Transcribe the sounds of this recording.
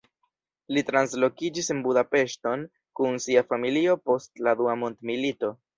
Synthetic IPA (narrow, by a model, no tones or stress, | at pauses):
litɾanslo̞kid͡ʒisenbudape̞ʃto̞n | kunsiafamilio̞po̞stladuamo̞ntmilito̞